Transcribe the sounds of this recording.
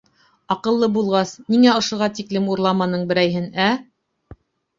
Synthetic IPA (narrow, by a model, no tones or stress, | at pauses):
ɑqɤ̆lˠːɤbulˠʁɑsniŋæŏʃŏʁɑt̪iklɘmuɾlˠɑmɑnɤɴbɘ̆ɾæjɦɘnæ